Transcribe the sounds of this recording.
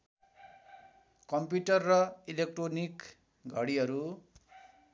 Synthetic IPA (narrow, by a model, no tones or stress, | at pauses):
kʌmpjuʈʌrːʌilek̚ʈronik | ɡʱʌɽiɦʌɾu